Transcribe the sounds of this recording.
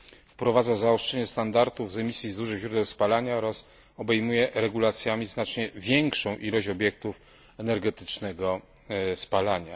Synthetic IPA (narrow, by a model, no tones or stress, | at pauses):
fpɾɔvad̪zazaɔʂt͡ʂɛɲɛst̪and̪aɾt̪uvzɛmʲisʲjizd̪uʐɘɣʑɾud̪ɛwspalaɲaɔɾas | ɔbɛjmujɛʔɾɛɡulat̪sʲjamʲiznat͡ʂɲɛvʲjɛŋkʂɔ̃w̃ʔilɔɕɔbʲjɛk̚t̪uf | ɛnɛɾɡɛt̪ɘ̥t͡ʂnɛɡɔ | spalaɲa̰